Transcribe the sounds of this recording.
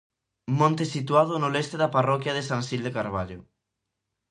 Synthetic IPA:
mõnt̪esit̪uaðʊnʊlest̪eðaparɔkjɐðesaŋsild̪ekaɾβ̞aʎʊ

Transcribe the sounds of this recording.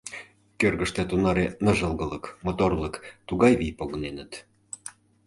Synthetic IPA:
kørɣəʃt̪et̪unɑɾenəʒəlˠɣələkmot̪orləkt̪uɣɑjβijpoɣŏnenət̪

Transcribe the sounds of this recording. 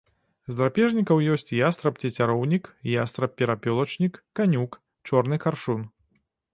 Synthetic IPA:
zd̪ɾapʲɛʐnʲikɐwjɔsʲt͡sʲjast̪ɾɐpt͡sʲɐt͡sʲaɾɔwnʲikjast̪ɾɐpʲɛɾapʲɔlˠɐt͡ʂnʲikːanʲuk | t͡ʂɔrnɨxarʂun

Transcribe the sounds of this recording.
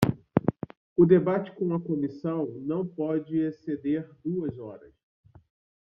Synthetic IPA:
ʊd̪ebat͡ʃɪ̥kõw̃ɐkomisɐ̃w̃nɐ̃w̃pɔd͡ʒɪesed̪eɾd̪uɐzɔ̰ɾɐ̰s

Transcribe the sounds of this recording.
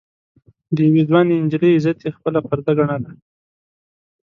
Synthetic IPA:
d̪əjawed̪wɑneɪnd͡ʒləzat̪ʰjexpəlapaɾd̪aɡaɳala

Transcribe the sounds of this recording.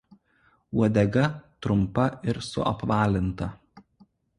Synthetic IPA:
uɔd̪ʲɛɡɐt̪ɾʊmpɐɪɾsʊ̰ʔɐ̰pʋɑːlʲɪnt̪ɐ

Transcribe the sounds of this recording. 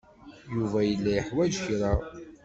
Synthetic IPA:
juvæjəlːæjəħwæd͡ʒçɾa

